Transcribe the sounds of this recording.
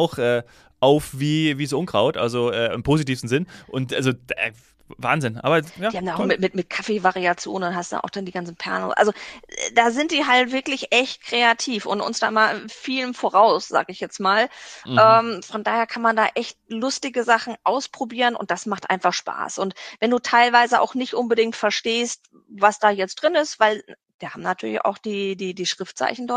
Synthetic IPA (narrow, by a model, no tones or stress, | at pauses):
ʔaʊxʔɛː | ʔaʊfv̥iːviːs̬ʊnɡ̥ʁaʊtʔa̰lzoʔɛːɪmpʰoːzitiːfsn̩zɪnʔʊntʔalzod̰ | va̰ːnzɪnʔa̰ːbɐjaːiːhabmndaʔʊmɪtmɪtmɪt̚kʰafevaʁiat͡sjo̰ːnnhastuda̰ʔa̰ʊxd̥andiːɡant͡sn̩pʰɛ̰ɐno̰ʔa̰lzod̥aːzɪntd̥iːɦaltv̥ɪɐklɪçʔɛçt̚kʁ̥eatʰiːfʔʊ̰ntʔʊ̰nsd̥a̰ːʔɪmaʔɪnfiːlənfoʁaʊsz̥a̰ːɡəɪçjɛt͡smaːlʔɛːmfɔndaːheːɐkʰanmandaːʔɛçt̚lʊstɪɡəzaχn̩ʔaʊspʁ̥obiːʁənʊ̰nt̚d̥asmaχtʔa̰ɪnfaχʃpa̰ːsʔʊntvɛnduːtʰaɪlvaɪzəʔa̰ʊxnɪçtʔʊnbədɪŋktfɛɐʃteːst | vasd̥aːjɛt͡std̥ʁɪnɪstv̥aɪl | d̥iːɐhaːbmnatʰyːɐlɪça̰ʊxd̥iːdiːdiːʃʁ̥ɪftt͡sa̰ɪçn̩dɔɐt